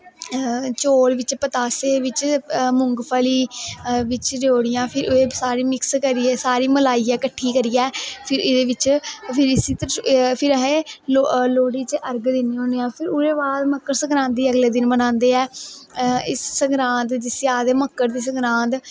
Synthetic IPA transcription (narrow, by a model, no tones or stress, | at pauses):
t͡ʃoːɽʋɪt͡ʃpət̪aːseːʋɪt͡ʃmʊŋɡpʰəliːʋɪt͡ʃd͡ʒoːɽɪjãːpʰɪɾeːsaːɾiːmɪkskəɾiːɛːsaːɾiːməlaːiːɛːkəʈʰːiːkəɾiːɛːpʰɪɾɪd̪eːʋɪt͡ʃpʰɪɾɪsiːt̪əɾpʰɪɾəɦẽːloloːɽiːt͡ʃʔəɾɡd̪ɪniːɦõːeːãːpʰɪɾʊɾeːbaːd̪məkːəɾsəɡɾãːnt̪iːəɡleːd̪ɪnbənãːnd̪eːɛː | ɪsːəŋɡɾãːnt̪d͡ʒɪsaːd̪eːməkːəɾd̪iːs̬əɡɾãːnt̪